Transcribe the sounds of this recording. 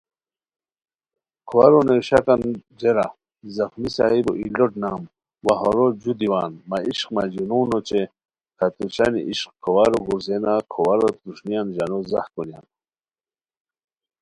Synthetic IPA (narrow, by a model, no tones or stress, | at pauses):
kʰowaɾonewɕakand͡ʑeɾa | zaxnisaibo̰ʔḭloʈnaːm | waɦoɾod͡ʑud̪iwaːnmaiʃqmad͡ʑunuːnot͡ʃe | kʰat̪ut͡ɕanḭʔiɕqkʰowaɾoɡuɾzenakʰowaɾot̪uʂnijanʑanoza̰hkonja̰n